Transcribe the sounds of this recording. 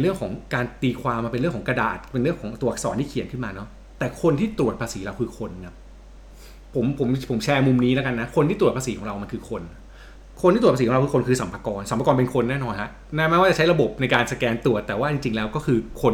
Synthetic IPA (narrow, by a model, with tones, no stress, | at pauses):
e˧nɾɯ˥˩əŋkʰɔː˩˦ŋkaː˧nt̪iː˧kʰwaː˧mːaː˧pe˧nɾɯ˥˩əŋkʰːɔ˩˦ŋka˧da̰ː˨˩t̪̚pe˧nɾɯ˥˩əŋkʰɔː˩˦ŋt̪u˧˩ɐsɔ̰ː˩˦nt̪ʰiː˥˩kʰi˨˩˦nkʰɯ˥˩nmaː˧nɔ˦˥ | t̪ɛː˨˩kʰo˧nt̪ʰiː˥˩t̪ɾu˨˩ət̪pʰaː˧siː˩˦ɾa˧wkʰɯː˧kʰo˧nka˦˥p | pʰːo˩˦mpʰo˩˦mpʰo˩˦mt͡ɕʰɛː˧mu˧mniː˦˥lɛ˦˥ka˧nːa˦˥kʰo˧nt̪ʰiː˥t̪ɾu˨˩t̚pʰa˧siː˩˦ɔː˩˦ɾa˧wma˧nkʰɯː˧kʰo˧n | kʰo˧nʰiː˥t̪u˨˩˧iː˨˩˦ɾa˧wkːʰo˧nkʰɯː˧sa˨˩˦mpʰa˧kɔː˧nsa˨˩˦mpa˧kɔː˧npe˧nkʰo˧nːɛː˥˩nɔː˧nhʰa˦˥ʔ | nɛː˥˩maː˥˩kwaː˥˩t͡ɕa˨˩t͡ɕa˦˥jɾa˧bo˨˩p̚na˧jkaː˧nsa˧kɛː˧nt̪ɾu˨˩ət̪ːɛː˨˩waː˥˩t͡ɕi˧ŋt͡ɕi˧ŋlɛː˦˥wkɔː˥˩kʰɯː˧kʰo˧n